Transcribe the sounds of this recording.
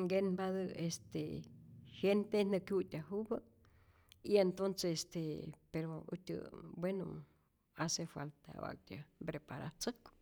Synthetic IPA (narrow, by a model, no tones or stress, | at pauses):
ŋɡenbaðəest̪e | hjent̪enəkjut̪ʲaɦubə | ient̪onsest̪epeɾoṵt̪ʲə̰bweno̰ | asefa̰lt̪a̰a̰k̚t̪ʲabɾepaɾa̰t͡sək